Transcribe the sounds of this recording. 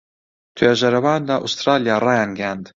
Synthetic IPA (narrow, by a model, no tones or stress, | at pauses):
t̪ʰweːʒɐɾɐwaːnd̪aːʔust̪ɾaːlijaːrɑːjaːnɡjaːnd̪